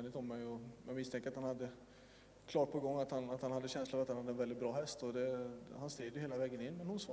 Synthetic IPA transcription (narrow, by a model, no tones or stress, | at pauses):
nɪt̪ɔmːɛjɔjɑɡmɪst̪ʰɛŋkəɾat̪hanhad̪ːə | kʰlɑːʈ̚pʰɔɡɔŋːat̪hanat̪hanhad̪ːəɕɛnslafɾat̪hanhad̪ːəɛnvɛlɪt̪̚bɾɑːɦɛst̪ɔd̪ɛhanst̪ɾiːd̪jʏheːlavɛːɡənɪnːmɛnhʊns